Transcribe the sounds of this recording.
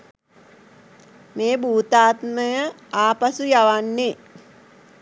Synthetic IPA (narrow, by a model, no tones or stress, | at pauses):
meːbuːt̪aːt̪məjə | aːpasujaʋanːe